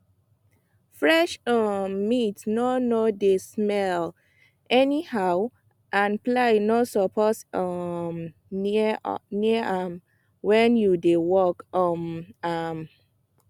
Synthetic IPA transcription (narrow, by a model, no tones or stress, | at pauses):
fɹɛʃɔmːitnɔnodesmɛl | ʔɛnihaʊ | ʔãnplaɪnosɔpʰɔsɔm | nim | wɛ̃njudewɔkɔmam